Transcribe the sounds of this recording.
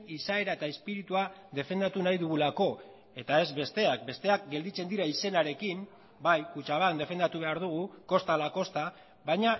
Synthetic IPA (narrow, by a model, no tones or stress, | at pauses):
isae̞ɾaet̪aespiɾit̪uaðe̞fe̞nd̪at̪unajðuɣ̞ulako̞ | e̞t̪ae̞zβe̞st̪e̞ak̚be̞st̪e̞ak̚ɡe̞ld̪it͡se̞nd̪iɾaise̞naɾe̞kim | bajkut͡ʃaβ̞aknd̪e̞fe̞nd̪at̪uβ̞e̞aɾðuɣ̞uko̞st̪alako̞st̪a | βajɲa